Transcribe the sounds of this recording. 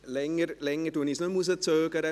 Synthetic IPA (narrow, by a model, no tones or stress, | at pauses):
lɛŋərlɛŋəduənisnomus̬ət͡søːkəɾə